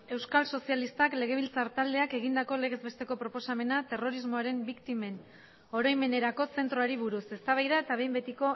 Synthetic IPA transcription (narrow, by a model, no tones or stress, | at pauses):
e̞wskalso̞sialist̪akle̞ɣ̞e̞β̞ilt͡saɾt̪ald̪e̞ake̞ɣ̞ind̪ako̞le̞ɣ̞e̞zβe̞st̪e̞ko̞pɾo̞po̞same̞nat̪e̞ro̞ɾizmo̞aɾe̞mbikt̪ime̞n | oɾajme̞ne̞ɾako̞se̞nt̪ɾoaɾiβuɾuse̞st̪aβ̞ajðae̞t̪aβ̞e̞jmbe̞t̪iko̞